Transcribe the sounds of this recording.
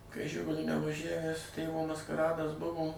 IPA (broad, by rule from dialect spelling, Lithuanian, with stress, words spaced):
kɐɪ ˈʒʲɪɡʊlʲʊ nʲɛʋɐˈʒʲæʋʲæs ˈtʲeːʋoː mɐskɐˈrɑːdɐs ˈbʊʋoː